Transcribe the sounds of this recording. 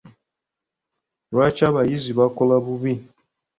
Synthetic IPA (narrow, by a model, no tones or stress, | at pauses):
bat͡ʃabajizibakɔlabubi